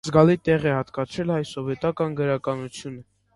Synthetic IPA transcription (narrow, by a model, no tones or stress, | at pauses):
zɡɑlit̪ɛʁɛhɑt̪kɑt͡sʰɾɛlɑjsɔvɛt̪ɑkɑnɡəɾɑkɑnut͡sʰjunə